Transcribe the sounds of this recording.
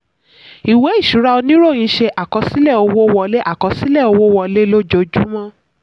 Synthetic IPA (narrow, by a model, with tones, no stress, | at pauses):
i˨we˨˦i˦˨ʃu˨˦ɾa˧o˧nĩ˦ɾo˦˨j̃ĩ˨˧˦ʃe˧ʔa˨kɔ˨˧si˦lɛ˦˨o˧wo˦˧wɔ˧le˦ʔa˦˨kɔ˧si˦lɛ˦˨o˧wo˦wɔ˧le˦lo˦d͡ʒo˧d͡ʒu˦mã˦